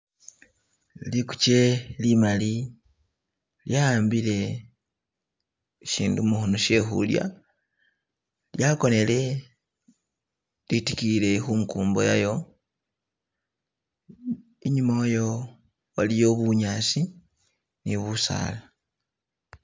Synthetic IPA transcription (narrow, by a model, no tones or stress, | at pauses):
liku̥ce̞limali | ljaaːmbile̞ | ʃiːndumuxunoʃe̞xṵlja̰ | ljako̞ne̞le̞ | litikile̞xuŋkuːmbo̞̰jajo̞ | eɲumojo̞ː | lijo̞βuɲasi | niβusa̰ːla